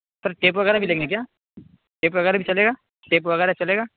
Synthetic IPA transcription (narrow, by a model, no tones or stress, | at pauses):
pɐɾʈeːp̬ʋɐɣɛːɾabʱileːɡnek̬jaː | ʈeːpʋɐɣɛːɾabʱit͡ʃɐleːɡaː | ʈeːpʋɐɣɛːɾat͡ʃɐleːɡaː